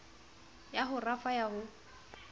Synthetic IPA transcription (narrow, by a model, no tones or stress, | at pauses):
jaɦʊrafajaɦʊ